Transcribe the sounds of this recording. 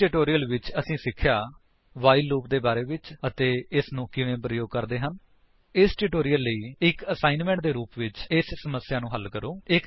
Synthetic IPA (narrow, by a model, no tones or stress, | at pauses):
ʈɪʈoːɾijəlʋɪt͡ʃəsĩːsɪkʰːjaː | ʋaːiːlːuːp̚d̪eːbaːɾeːʋɪt͡ʃət̪eːɪsnũːkɪʋẽːpɾəjoːɡ̚kəɾd̪eːɦən | ɪsʈɪʈoːɾijəlːəiːɪkəsaːɪnmɛ̃ːɳʈ̚d̪eːɾuːpʋɪt͡ʃɪssəməsːjaːnũːɦəlːkəɾõːɪk